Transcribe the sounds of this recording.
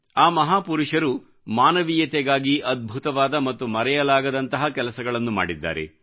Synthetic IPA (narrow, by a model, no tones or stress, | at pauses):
aːmɐɦaːpuɾuʂɐɾu | maːnɐʋiːjɐt̪ɛɡaːɡiʔɐd̪̚bʱut̪ɐʋaːd̪ɐmɐt̪ːumɐɾɛjɐlaːɡɐd̪ɐnt̪ɐɦɐkɛlɐsɐɡɐɭɐnːuma̰ːɽid̪ːa̰ːɾḛ